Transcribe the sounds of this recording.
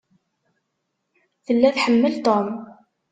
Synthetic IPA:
θəlːæθħəmːəlt̪om

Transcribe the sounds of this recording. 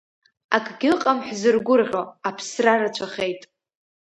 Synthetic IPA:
a̰kʼʰɡʲɪqʼamħzɨrɡʷʊrʁʲo̞apʰsrarat͡ɕʷʰaχejtʼ

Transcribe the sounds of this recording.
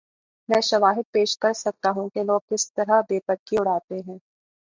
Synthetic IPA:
mɛ̃ːʃɐʋaːɦɪt̪̚peːʃkɐɾsɐk̚t̪aɦũkeloːɡ̚kɪst̪ɐɾaɦbeːpəkːiʊɽ̤aːt̪eɦɛ̃ː

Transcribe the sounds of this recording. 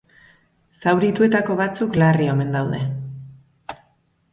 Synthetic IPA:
sawɾit̪ue̞t̪ako̞βat͡suklario̞me̞nd̪awðe̞

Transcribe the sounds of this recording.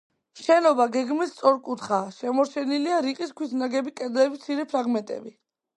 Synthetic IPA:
mʃɛnɔbaɡɛɡmist̪sʼɔɾkʼut̪ʰχaːʃɛmɔɾt͡ʃʰɛniliaɾiqʼiskʰwisʰnaɡɛbikʼɛd̪lɛbit̪sʰiɾɛpʰɾaɡmɛnt̪ʼɛ̰bi

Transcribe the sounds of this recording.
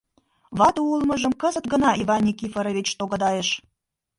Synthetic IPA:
βɑt̪uulmə̆ʒə̆mkəzət̪ɡə̆nɑʔivɑnʲːikifəɾəβet͡ɕt̪oɣəd̪ɑjeʃ

